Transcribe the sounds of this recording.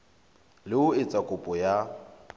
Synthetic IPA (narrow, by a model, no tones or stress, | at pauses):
lɪʊɪt͡sʼakʼʊpʼɔja